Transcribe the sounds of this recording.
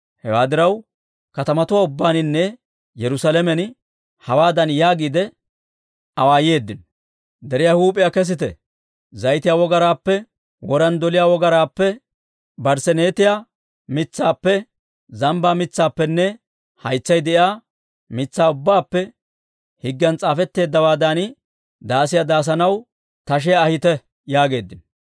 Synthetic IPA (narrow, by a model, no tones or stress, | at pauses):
hɛwaːd̪ɪɾɐw | kɐt̪ɐmɐt̪ʊwaːʊbːaːnɪnːɛ | jɛɾʊsalɛmɛn | hɐwaːd̪ɐnjaːɡiːd̪ɛ | ɐwaːjje̞ːd̪ːɪn | d̪ɛɾɪjaːhuːpʼːɪjakɛs̬ɪt̪ɛ̰ | zɐjt̪ɪjaːwɔɡɐɾaːpːɛ | wɔɾɐnd̪ɔlɪjaːwɔɡɐɾaːpːɛ | bɐɾsɛneːt̪ɪjaː | mɪt͡sːaːpːɛ | zɐmbaːmɪt͡sːaːpːɛnːɛ | hɐjt͡sːɐjd̪ɛʔjaː | mɪt͡sːaːʊbːaːpːɛ | hɪɡːɐnt͡sʼaːfɛt̪ːe̞ːd̪ːɐwaːd̪an | d̪aːsɪjad̪aːs̬ɐnɐw | t̪ɐʃ̬ɛjaːhɪt̪ɛ | jaːɡe̞ːd̪ːɪn